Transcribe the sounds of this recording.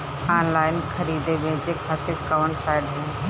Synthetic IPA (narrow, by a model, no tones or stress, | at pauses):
aːnlaːɪnxʰɐɾiːd̪ebẽd͡ʑeːkʰaːt̪ɪɾkɐʋənsaːɪɖɦẽːn